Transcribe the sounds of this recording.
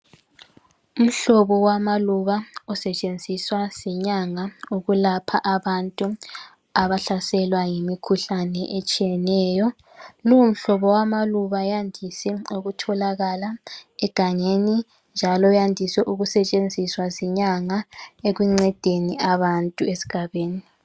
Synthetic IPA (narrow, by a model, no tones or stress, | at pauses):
um̩ɬɔβɔwamaluβaɔsɛt͡ʃʼend͡zʱiswaz̥ɛɲaŋauɣulapʰaʔaβantʼu | aβaɬasɛlwaŋemikʰuɬanɛʔet͡ʃʼijɛnɛːjɔ | luwum̩ɬɔβɔwamaluβajandʱisɛoɣutʰɔlaɣalaɛɡ̥ʱaɲeni | nd͡ʒʱalɔjandʱiswɛʔuɣusɛt͡ʃʼend͡zʱiswazɛɲaŋaeɣwiŋ͡ǀɛd̥ʱeniaβantʼuesi̥ɡ̥ʱaβeːni